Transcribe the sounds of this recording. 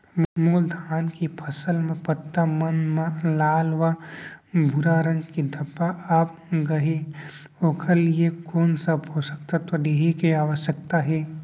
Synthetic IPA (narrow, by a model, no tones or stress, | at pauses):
mold̪ʱaːnkipʰəsəlmẽpət̪ːamənmãlaːlʋa | bʱuɾaɾə̃ŋɡkid̪ʱɐpaʔaːp̚ɡɐɦe | oːkʰaliekoːnsɐbɦosək̚t̪at̪od̪eːɦekeaːʋəʃjək̚t̪aɦɛː